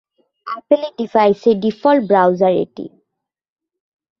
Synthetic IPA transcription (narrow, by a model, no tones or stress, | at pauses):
apeleɖifajseɖifɔlbɹawzaɹḛʈːḭ